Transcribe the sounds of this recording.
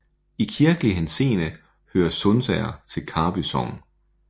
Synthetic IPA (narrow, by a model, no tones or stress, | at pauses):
ikʰiɐɡ̥əliɦense̝̰ːnə | høːɐsɔnsɛ̰ɪɐt͡sʰe̝lkʰɑ̈ːb̥ysɒn